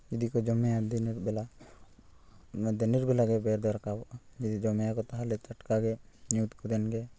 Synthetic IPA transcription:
d͡ʒid̪ikɔd͡ʒɔmɛjad̪ɛniɾbɛla | d̪ɛniɾ̚bɛlaɡɛbɛɾd̪ɔɾakabɔʔad͡ʒid̪id͡ʒɔmɛjakɔt̪aɦalɛt͡ʃaʈkaɡɛ | ɲut̪kud̪ɛnɡɛ

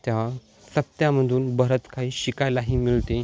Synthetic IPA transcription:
t̪ja | səpt̪jaməd̪ʱuːnbəɾət̪kʰaiːɕikajlaɦiːmilt̪e

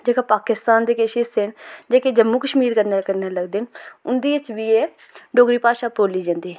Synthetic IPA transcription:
d͡ʒeːkaːpaːkɪst̪aːnd̪eːkeʃiːsɪnd͡ʒeːkeːd͡ʒəmːuːkəʃmiːɾkənekəɾneːləɡd̪enʊnd̪iːɪt͡ʃʋiːeː | ɖoːɡɾiːpaːʃaːpoːliːd͡ʒãːnd̪iː

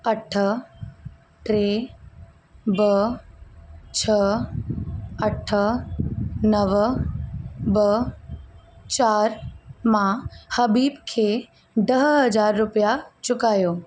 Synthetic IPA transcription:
əʈʰə | ʈɾe | bə | t͡ʃʰə | əʈʰə | nəʋ | bə | t͡ɕaːɾmãhɐbiːbkʰe | ɖ̪ɐɦɦɐd͡ʒaːɾːʊpjat͡ʃʊkaːjoː

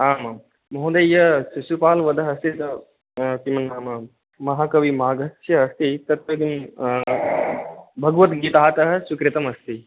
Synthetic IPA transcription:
aːmam | mɐɦũd̪ɐjːɐsusupaːlʋɐd̪ɐɦɐst̪it̪ɐ | t̪imɐnːaːmɐ | mɐɦakɐʋimaːɡɐsjɐɦɐst̪it̪ɐt̪̚kɐt̪im | bʱɐɡʋɐt̪ɡiːt̪aːt̪ɐɦɐsukɾit̪ɐmɐst̪i

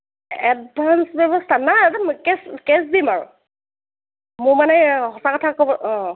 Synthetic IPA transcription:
ɛdbʱansbɛbɔstʰanaɛtamkeskesdimaɹʊ̰ | mʊɹmanɛɦɔsakɔtʰakɔbɔɔ̃

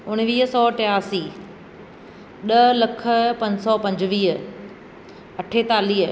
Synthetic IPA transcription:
ʊɽ̃ʋiːɦəsɔːʈeaːsiː | ɗɐlɐkʰəpɐ̃ɲd͡ʑsɔpɐ̃ɲd͡ʑʋiːɦə | ɐʈʰet̪aːliːɦə

